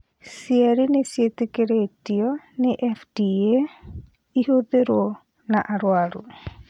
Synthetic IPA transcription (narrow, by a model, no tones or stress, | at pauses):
siɛɾinesjet̪ekeɾetiɔ | neʔɛfdie | iɦoðeɾwɔ | naʔaɾwaɾṵ